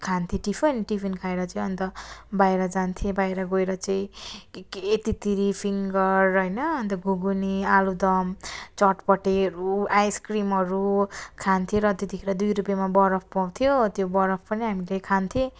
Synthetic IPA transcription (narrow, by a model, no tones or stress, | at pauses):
kʰant̪ʰẽʈipʰʌniʈipʰinkʰaeɾʌt͡saj̃ʌnt̪ʌbajɾʌd͡zant̪ʰjẽbajɾʌɡoeɾʌt͡saĩː | t̪it̪iɾipʰiŋɡʌrːʌjnʌːnt̪ʌɡuɡunialud̪ʌmt͡sʌʈpʌʈeɾuajskrimɦʌɾukʰant̪ʰiẽɾʌːt̪et̪ikʰeɾʌd̪ujɾupjamabʌɾʌpʰpaw̃t̪ʰijot̪jobʌɾʌpʰpʌniɦamilekʰant̪ʰjẽ